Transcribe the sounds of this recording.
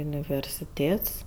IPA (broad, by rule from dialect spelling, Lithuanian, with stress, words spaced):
ʊnʲɪʋʲɛrʲsʲɪˈtʲeːts